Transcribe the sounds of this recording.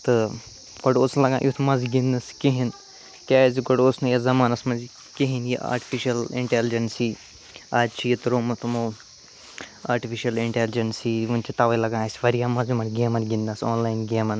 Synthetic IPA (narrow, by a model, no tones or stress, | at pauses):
t̪ɨ | ɡ̥ɐɽoːslɐɡã̰ːʔjut̪ʰmɐziɡind̪ɐskiɦin | kʲaːziɡoɖoːsnɐjɐzɐmaːnɐsmɐzi | keɦinjiʔa̰ːɾʈi̥fʰiʃɐliɳʈeld͡ʒɐnsi | aːd͡ʒt͡ʃʰijit̪ɾoːmɐt̪ʰɐmo | aːɾʈifʰiʃɐliɳʈelɪd͡ʒɐnsiunt͡ʃʰit̪aːʋɐlɐɡãːsʋɐɾijaːmɐzimɐnɡeːmɐnɡind̪ɐsoːnlaːinɡeːmɐn